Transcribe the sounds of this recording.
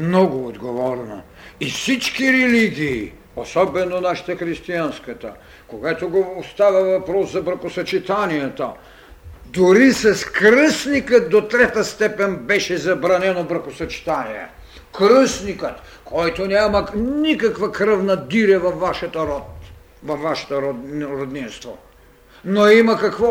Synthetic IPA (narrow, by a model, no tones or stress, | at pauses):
mnɔɡʊːd̪ɡovɔɾno̰ | ifsit͡ʃkiɾɛliɡʲiː | osɔbɛnonaʃi̥t̪ɐxɾist̪ianskɐt̪ɐ̰ | koɡat̪oɡoost̪avʲavɐpɾɔszɐbɾxʊsɐt͡ʃit̪anijɛt̪o | d̪uɾisɛskɾəsnikət̪̚d̪ot̪ɾɛt̪ast̪ɛpɛnʲbɛʃɛzɐbɾanɛnovəɾxusɐt͡ʃi̥t̪anijɛ̰ | kɾəsnikət̪ | kʰɔjt̪onɛmanikakvakɾəvnɐd̪iɾɛvɐfːaʃɛt̪oɾɔt̪ | vɐfvaʃɛ̥t̪oɾoɾod̪ninst̪vo | noimakakvɔ